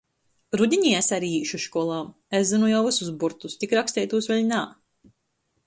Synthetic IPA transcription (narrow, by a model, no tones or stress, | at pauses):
ɾud̪ʲiɲiesaɾiːiːʃuʃkuɔlˠaːm | eszinujawvɨsuzbuɾt̪ust̪ikɾakst̪ɛjt̪uːsvɛʎʲnaː